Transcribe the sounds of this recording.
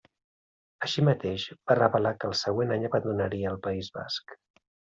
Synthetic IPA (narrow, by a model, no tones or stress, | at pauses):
əʃimət̪eʒb̥arəβəlakəlˠsəɣwenaɲəβənd̪unəɾiəːlˠpəizβa̰sk